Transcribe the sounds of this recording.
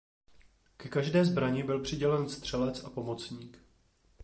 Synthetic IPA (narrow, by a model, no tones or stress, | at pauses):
kɛkaʒdɛːzbɾaɲɪbɪlpr̥ɪɟɛlɛnst̪r̝̥ɛlɛt͡sapo̞mo̞t͡sɲiːk